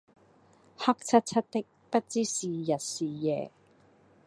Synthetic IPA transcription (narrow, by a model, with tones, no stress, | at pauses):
hɐ˥k̚t͡sʰɐ˥t̚t͡sʰɐ˥t̚t̪ɪ˥k̚pɐ˥t̚t͡siː˥siː˨jɐ˨t̚siː˨˩jɛː˨